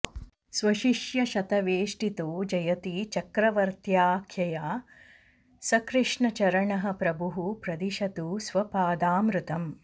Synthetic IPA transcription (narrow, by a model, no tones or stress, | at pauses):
sʋɐʃiʃjɐʃɐt̪ɐʋeːʂʈit̪oːd͡ʒɐjɐt̪it͡ʃɐkɾɐʋɐɾt̪jaːkʰjɐjaː | sɐkɾɨʂɳɐt͡ʃɐɾɐɳɐɦɐ̆pɾɐbuɦupɾɐd̪iʃɐt̪uːsʋɐpaːd̪aːmɾut̪ɐm